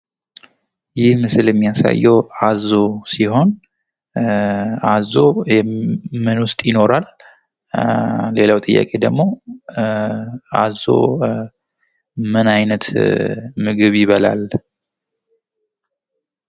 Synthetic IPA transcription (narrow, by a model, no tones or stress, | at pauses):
jɪhmɨsɨljɛmːijasa̰jːɛwazo̞siho̞n | azo̞jɛmɨnwʊst̪ʼjɪno̞ɾal | le̞lawt̪ʼɨjːa̰kʼe̞d̪əɡmo̞ | a̰zo̰ | mɨnajnət̪ | mɨɡɨβjɪβəla̰l